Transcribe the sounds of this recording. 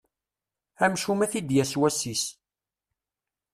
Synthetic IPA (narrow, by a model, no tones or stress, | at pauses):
æmʃumæθid̪jæswæsis